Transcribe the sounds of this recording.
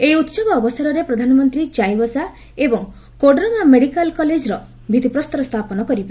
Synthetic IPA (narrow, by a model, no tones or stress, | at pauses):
ejut̪sɔbɔːbɔsɔɾɔɾepɾɔd̪ʱanɔmɔnt̪ɾid͡ʒajbɔsa | ebɔŋ | koɖɾɔmameɽikalkɔled͡ʒɾɔ | bʱid̪ʱipɾɔst̪ɔɾɔst̪ʰapɔnɔkɔɾibe